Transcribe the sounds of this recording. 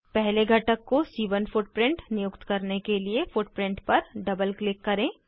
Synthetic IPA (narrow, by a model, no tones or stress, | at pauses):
pɛɦleɡʱɐʈəkːosiːʋənfʊʈ̚pɾɪ̃ɳʈnɪjʊkt̪kɐɾnekeliefʊʈpɾɪ̃ɳʈpɐɾɖɐbəlklɪkːɐɾẽː